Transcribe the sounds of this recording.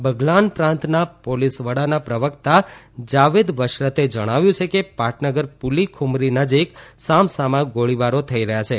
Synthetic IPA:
bəɡlanpɾãnt̪napolisʋəɽanapɾəʋəkt̪a | d͡ʒaʋed̪ʋəʃɾət̪ed͡ʒəɽ̃aʋjũt͡ʃʰekepaʈʰnəɡəɾpulikʰumɾinəd͡ʒiksamsamãɡoɭiʋaɾot̪ʰəiɾəɦjat͡ʃʰe

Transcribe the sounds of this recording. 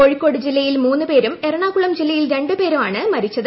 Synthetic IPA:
o̞ɻikːo̞ːɽɨd͡ʑilːɐjilmuːnːɨpe̞ːɾumerɐɳaːkːuɭɐmd͡ʑilːɐjilɾe̞ɳɖɨpe̞ːɾumaːɳɨmɐɾit͡ɕːɐðɨ

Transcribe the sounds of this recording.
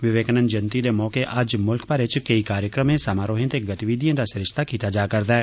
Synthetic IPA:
ʋɪʋeːknənd͡ʒɐnt̪id̪emɔːkeʔɐd͡ʒmʊlkpɐɾet͡ʃkɐikaːɾjəkɾəmẽsaːmaːɾoːɦẽt̪eɡɐt̪iʋid̪ʱijə̃nd̪asɪɾɪʃt̪akiːt̪ad͡ʒaːkɐɾd̪aɛː

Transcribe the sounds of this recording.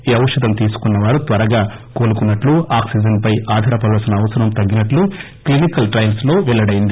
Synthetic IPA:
iɐʋɐʂɐd̪ɐmt̪iːsu̥kunːɐʋaːɾut̪ʋɐɾɐɡaːko̞ːlukunːɐʈluaːksid͡ʒɐnpɐjaːd̪ʱɐːɾɐpɐlɐsɐnɐːʋɐsɐɾɐmt̪ɐɡːinɐʈlu | klinikɐlʈɾɐjɐlslo̞ːʋɛɭːɐɽɐjind̪i

